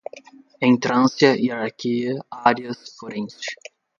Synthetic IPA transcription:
ẽj̃t̪ɾɐ̃nsjɐiɾaɾkʰiɐaɾiɐsfoɾẽs

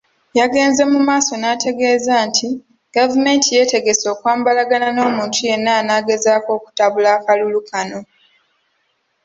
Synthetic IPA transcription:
jaɡe̞ːnze̞mumaːso̞naːtʰe̞ɡe̞ːzaːntʰi | ɡ̥avume̞ntije̞ːte̞ɡe̞so̞ːkwaːmbalaɡanano̞ːmuːntʰuje̞nːaːnaːɡe̞zaːko̞ːku̥taβulaːkalulukʰano̞

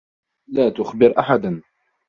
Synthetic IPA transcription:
laːt̪ʊxbɪɾʔaħad̪

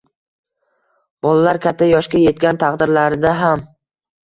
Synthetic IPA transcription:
b̥ɒlˠalaɾkʲʰat̪ʰːajɒʃkʲaje̞t̪̚kʲant̪ʰɑqd̪ɪɾlaɾd̪aɦam

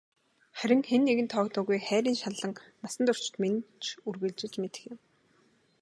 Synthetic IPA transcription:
χæɾʲɪ̆ŋxenːeɣɘ̆nt̪ʰɔːkt̪ʰʊːɣujχæːɾʲiːnʃaɮə̆ŋmasə̆nt̪ʊr̥t͡ɕɪ̥̆t̪ment͡ɕʰurɣɘ̆ɮt͡ɕɪ̆ɮt͡ɕmet̪ɘ̥̆xjɪ̆m

